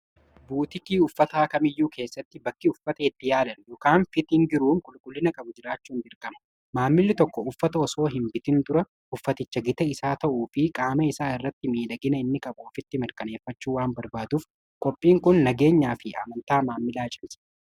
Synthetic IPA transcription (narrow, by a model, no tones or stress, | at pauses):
buːt̪ɪkiːʊfːɐt̪aːkɐmɪjːuːkʰe̞ːsːɐt̪ːɪbɐkːɪʊfːɐt̪ɐɪt̪ːɪjaːlɐnjɔkaːnfɪt̪ɪŋɡɪɾuːmkʼʊlkʼʊlːɪnɐkʼɐbʊd͡ʒɪɾaːt͡ʃːuːnd̪ɪɾkʼɐmɐ̥ | maːmːɪlːɪt̪ɔkːɔʊfːɐt̪ɐɔso̞ːɦɪmbɪt̪ɪnd̪ʊɾɐ | ʊfːɐt̪ɪt͡ʃːɐɡɪt̪ɐɪsaːt̪ɐʔuːfɪkʼaːmɐɪsaːɪrːɐt̪ːɪmiːd̪ɐɡɪnɐɪnːɪkʼɐboːfɪt̪ːɪmɪɾkʼɐne̞ːfːɐt͡ʃːuːwaːnbɐɾbaːd̪uf | kʼɔpʼːiːŋkʊnːɐɡe̞ːɲːaːfɪɐ̰mɐnt̪aːmaːmːɪlaːt͡ʃʼɪnsɐ̥